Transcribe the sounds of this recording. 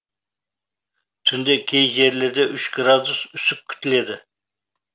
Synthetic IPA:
t̪ʰynd̪ɛkʲʰːejjeɾlɪɾd̪ɛʔyʃɡɾɑd̪usysyp̚kʲʰy̥t̪ʰɪled̪ɪ

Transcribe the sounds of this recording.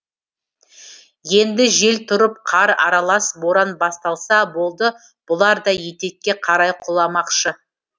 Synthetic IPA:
je̞nd̪ɪʒe̞lt̪ʰʊɾəp̚qʰɑɾɑ̰ɾɑlˠɑsboɾɑnbɑst̪ɑlˠsɑbo̞lˠd̪ə | b̥ʊlˠɑɾd̪ɑje̞t̪e̞t̪̚kʲːe̞qʰɑɾɑjqʰʊlˠɑmɑqʃə

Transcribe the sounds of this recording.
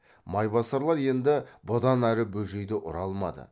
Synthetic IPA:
mɑjbɑsɑɾlˠɑɾje̞nd̪ɪbʊd̪ɑnæɾɪbɵʒe̞jd̪ɪʔʊɾɑlˠmɑ̰d̪ə̰

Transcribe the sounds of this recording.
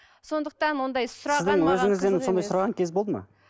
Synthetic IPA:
so̞nd̪əq̚t̪ɑnwo̞nd̪ɑjsʊɾɑsɪɪzd̪ŋwɵzɪŋɪzd̪enɪso̞nd̪ɑjsʊɾɑʁɑŋkʲʰe̞zbolˠd̪əmɑ̰

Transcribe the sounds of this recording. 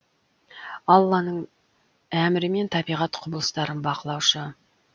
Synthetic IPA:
ɑlˠːɑnəɴ | æmɪɾɪme̞nt̪ʰɑbijʁɑt̪qʰʊblˠəst̪ɑɾənbɑqəlˠɑwʃə

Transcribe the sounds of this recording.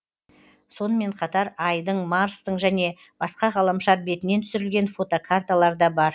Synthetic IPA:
so̞nəme̞ɴqʰɑt̪ɑɾɑjd̪əɴmaɾst̪əɴʒæne̞ | bɑsqɑʁɑlˠɑmʃɑɾbe̞t̪ɪnent̪ʰʏ̥sɪɾɪlɡʲe̞nfo̞t̪okʰart̪alˠɑɾd̪ɑbɑɾ

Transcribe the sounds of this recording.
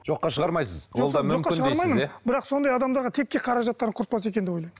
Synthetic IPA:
ʒo̞qːɑʃəʁɑɾmɑjsəzwolˠd̪ɑmʏʒomkqːɑɪʃnəʁɑejɾmɑjmənebɪɾɑqso̞nd̪ɑjɑd̪ɑmd̪ɑɾʁɑt̪ʰe̞k̚ʲːeqʰɑɾɑʒɑt̪ːɑɾəqʰʊɾt̪̚pɑs̬e̞k̬ʲe̞nd̪eojlˠɑjm

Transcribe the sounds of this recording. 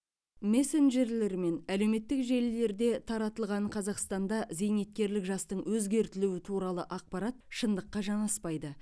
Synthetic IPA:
me̞se̞nʒe̞ɾle̞ɾme̞næle̞wme̞t̪ːɪkʒe̞lːe̞ɾd̪e̞t̪ʰɑɾɑt̪əlˠʁɑnɴqʰɑzɑqst̪ɑnd̪ɑze̞jnet̪̚kʲe̞ɾlɪkʒɑst̪əɴwɵzɡʲe̞ɾt̪ɪluwɪt̪ʰuɾɑlˠəʔɑq̚pɑɾɑt̪̚ʃənd̪əqːɑʒɑɴɑspɑjd̪ə

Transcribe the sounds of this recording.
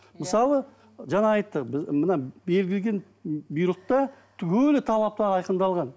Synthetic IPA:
məsɑlˠə | ʒɑnɑɑjt̪ːəqbɪmənɑbe̞lɡʲɪlɡʲe̞n | bijɾət̪ːɑt̪ʰʏkʲʰɵlɪt̪ʰɑlˠɑp̚t̪ɑɾɑjqənd̪ɑlˠʁɑn

